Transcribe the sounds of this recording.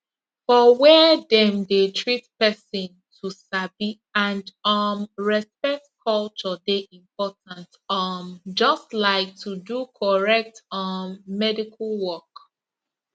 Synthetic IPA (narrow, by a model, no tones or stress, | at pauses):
fɔwɛdɛ̃mdetʰɹitpɛsɪ̃n | tʰusabi | ãndɔmɹɛspɛk̚tkʰɔlt͡ʃɔdeʔĩmpɔtãnt | ɔmd͡ʒɔstlaɪk̚tʰudukʰɔɹɛk̚tɔmːɛdikʰalwɔk